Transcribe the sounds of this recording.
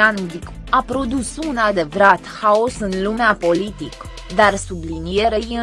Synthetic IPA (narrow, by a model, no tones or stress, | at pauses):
anud̪ik | apɾo̞d̪usunad̪e̞vɾat̪haosɨnlumeapo̞lit̪ik | d̪arsublinije̞ɾejɨ